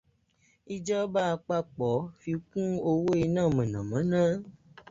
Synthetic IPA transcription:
i˦d͡ʒɔ˦ba˦a˧k͡pa˦k͡pɔ˨˦fi˧kũ˦o˧wo˦i˧nãː˦˨mã˨nã˨mã˨˦nã˦

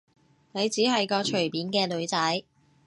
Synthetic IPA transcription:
ne˨˧jt͡siː˨˥ɦɐ˨jkɔː˧t͡ʃʰɵ˨˩ɥpiː˨˥nkɛː˧lɵ˨˧ɥt͡sɐ˨˥j

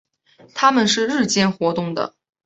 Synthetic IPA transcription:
t̪ʰa˥mə˨nʂɻ̩˥˧ɻɻ̩˥˧t͡ɕjɛ˥˩nxwɔ˧˥t̪ʊ˥˩ŋd̪ə̰˩

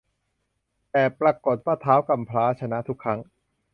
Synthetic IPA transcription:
t̪ɛː˨˩pɾa˧ko˨˩t̪̚waː˥˩t̪ʰaː˦˥wka˨˩mpʰlaː˦˥t͡ɕʰa˧na˦˥t̪ʰu˦˥kʰːa˦˥ŋ

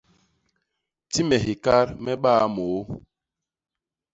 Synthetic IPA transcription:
ti˦mɛ˨ɦi˨ka˦ɾmɛ˦ɓa˦moː˨˦

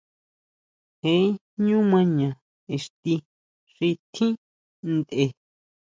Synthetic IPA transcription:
hẽ˦ | ɲũ˦mã˧ɲã˨ | e˨ʂt̪i˧ | ʂi˧t̪ʰĩ˦ | nd̪e˨

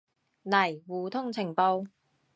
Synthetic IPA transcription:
nɐ˨˩jwuː˨˩t̪ʰʊ˥ŋt͡sʰɪ˨˩ŋpo˧w

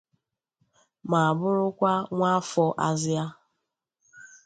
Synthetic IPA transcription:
ma˨a˨bʊ˦ɾʊ˦kʷa˦ŋʷa˦fɔ˦ʔa˦zɪ˦a˦

